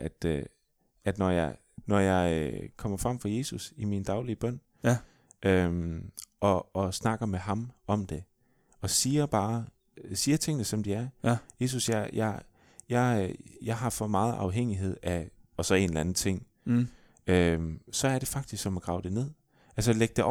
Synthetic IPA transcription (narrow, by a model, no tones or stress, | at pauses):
ʔæd̥ | æd̥nɒjɑɪ | nɒjɑ̈ɪkʰɒ̽m̰ɐfʁɑ̈m̰fɑje̝ːsusimind̥ɑ̈ʊliəb̥ɶn̰ | ʔømʔɒ̽ːsnɑ̈ɡ̥ɐmeɦɑ̈mɒ̽md̥e̝ | ɒ̽siːɐb̥ɑ̈ː | siːɐt͡sʰe̝ŋənəsɒ̽md̥iæɐje̝ːs̬usjɑjɑɪ | jɑ̈ɪjɑ̈ɪɦɑ̈fɒ̽mɑ̈ːð̩ˠʔɑ̈ʊɦeŋ̰iɦe̝ð̞̰ˠæɒ̽sɒe̝ːnlænð̩ˠt͡sʰe̝ŋ̰ | ømsɒ̽æɐɾ̥e̝fɑ̈ɡ̥d̥isɡ̥sɒ̽mæɡ̥ʁɑ̈ʊd̥e̝ne̝ð̞̰ˠ | ælsəleɡ̥̚d̥eɒ